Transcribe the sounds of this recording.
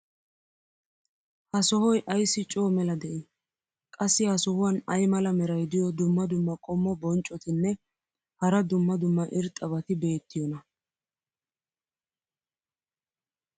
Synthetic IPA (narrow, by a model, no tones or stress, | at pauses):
hɐsɔhɔjʔɐjsːɪt͡ʃʼoːmɛlɐd̪ɛʔɪ | kʼɐsːɪhɐsɔhʊwɐnɐjmɐlɐmɛɾɐjd̪ɪjɔd̪ʊmːɐd̪ʊmːɐkʼɔmːɔbɔnt͡ʃʼɔt̪ɪnːɛ | hɐɾɐd̪ʊmːɐd̪ʊmːɐʔɪɾt̪ʼɐβɐt̪ɪbe̞ːt̪ːɪjɔnɐ